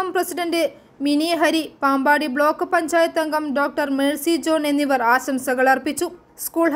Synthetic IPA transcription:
ɐmprɐsiɖɐnɖɨ | miniɦɐɾipaːmbaːɽibɭo̞ːkːɨpɐɲd͡ʑaːjɐt̪ːɐŋɡɐmɖo̞ːk̚ʈɐrmeːɭsid͡ʑo̞ːne̞nːiʋɐraːɕɐmsɐɣɐɭɐrpːit͡ɕːu | skuːɭɦ

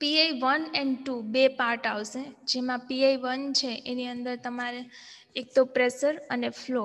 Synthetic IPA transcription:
piajʋənɛ̃ɳɖʈubepaɾʈaʋʃed͡ʒemãpiaiʋənt͡ʃʰeʔeniənd̪əɾt̪əmaɾeː | k̚t̪opɾeʃəɾənefʰlo

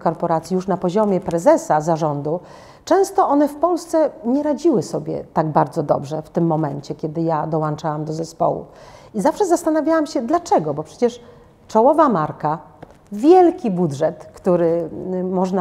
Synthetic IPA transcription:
kɔɾpɔɾat̪sʲijuʂnapɔʑɔmʲjɛpɾɛzɛsazaʐɔnd̪u | t͡ʂɛ̃w̃st̪ɔɔnɛfpɔlst̪sɛɲɛɾad͡ʑiwɘsɔbʲjɛ̰t̪aɡ̚baɾd̪zɔd̪ɔ̰bʐɛft̪ɘmːɔmɛɲt͡ɕɛkʲjɛd̪ɘjad̪ɔwant͡ʂawamd̪ɔzɛspɔ̰wṵizafʂɛzast̪anavʲjawamɕɛd̪lat͡ʂɛɡɔbɔpʂɛt͡ɕɛʂ | t͡ʂɔwɔvamaɾka | vʲjɛlkʲibudʐɛt̪kt̪uɾɘmɔʐna

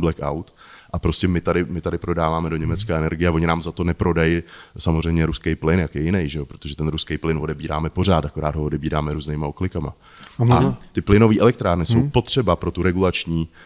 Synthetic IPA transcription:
blɛka̰wt̪ʔapɾo̞scɛmɪt̪adɪmɪt̪adɪpɾo̞daːvaːmɛdo̞ɲɛmɛt͡skaɛnɛɾɡɪjɛavoɲɪnaːmzat̪o̞nɛpɾo̞dajɪsamor̝ɛjmɲɛɾuskejplɪnjakjɛjɪnɛjʒɛo̞pɾot̪o̞ʒɛt̪ɛnɾuskejplɪnvodɛbiːɾa̰ːmɛpo̞r̝aːt̪ako̞ɾaːd̪ɦoodɛbiːɾaːmɛɾuːznejmaoklɪkama̰ | at̪ɪplɪno̞viːʔɛlɛkt̪ɾaːɾnɪso̞wpo̞t̪r̝̥ɛbapɾo̞t̪uɾɛɡulat͡ʃɲiː

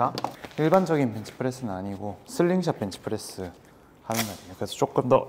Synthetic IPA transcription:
kaiɭband͡ʑʌɡinpent͡ɕʰɯ̥pʰɯɾe̞s͈ɯnnaɲiɡosʰɯɭːiŋɕʰak̚pent͡ɕʰɯ̥pʰɯɾes͈ɯ | hanɯnɡaɾiokɯɾe̞sʰʌt͡ɕ͈ok͈ɯmdʌ

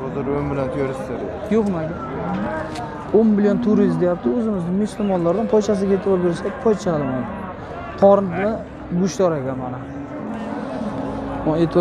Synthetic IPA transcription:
ɒzɪɾojmbɪlant̪ʰʊjɔɾɪsɪaɾ̰ | joqmaɡʲɪ | onmɪljont̪ʰʊɾisd̪ejap̚t̪ʰɪɵzɪmɪzɪmʊsʊlmɒnlaɾd̪anpʰɒjt͡ʃʰas̬ɪɡʲaet̪ʰɪbɒɾbe̞ɾɪsaɡʲpʰɒjt͡ʃʰalɪmajd̪ɪ | t̪ʰɒɾɪnt̪nɪ | bʊʃt̪ɒɾekʲanmanɪ | et̪ʰ

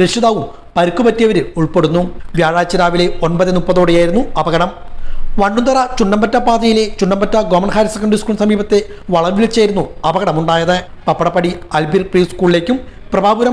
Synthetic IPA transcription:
eʂiðaːʋum | pɐɾukːupɐtːijɐʋɐɾɨuɭpeɽunːuʋjaːɻaːt͡ɕːɐɾaːʋile̞onpɐðinupːɐðoːɽejaːjiɾunːuɐbɐɣɐɽɐmʋɐɳɖunt̪ɐrɐt͡ɕuɳɖɐmbɐtːɐpaːðɐjile̞t͡ɕuɳɖɐmbɐtːɐɡoːmɐnɦaːɾɐsekːɐɳɖriskuːɭsɐmiːbɐt̪ːe | ʋɐɭɐɾʋiɭit͡ɕːaːjiɾunːuɐbɐɣɐɽɐmuɳɖaːjɐðɨ | pɐpːɐɽɐpːɐɽiɐlbirpriːskuːɭile̞ːkʲːum | prɐbaːbuɾɐ

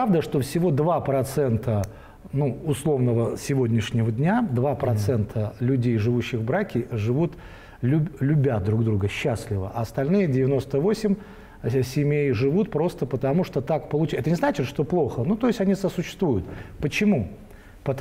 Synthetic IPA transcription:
pavd̪əʂt̪o̞fsʲɪvo̞d̪vapɾɐt̪sɛnt̪ə | nuʊslˠo̞vnəvəsʲɪvodʲnʲɪʂnʲɪvədʲnʲad̪vapɾɐt̪sɛnt̪ʰəlʲʉdʲejʐɨvuɕːɪɣvbɾakʲɪʐɨvut̪ | lʲʊlʲʊbʲad̪ɾuɡd̪ɾuɡəɕːasʲlʲɪvəʔɐːst̪ɐlʲnɨjədʲɪvʲɪno̞st̪əvo̞sʲɪmʲ | sʲɪmʲejʐɨvut̪̚pɾo̞st̪əpət̪ɐmuʂt̪ot̪akpəlˠʊt͡ɕɛt̪ənʲɪznat͡ɕɪt̪ʂt̪o̞plˠo̞xənut̪o̞jɪsʲtʲɐnʲisəsʊɕːɪ̥st̪vujʊt̪pət͡ɕɪmu | pət̪

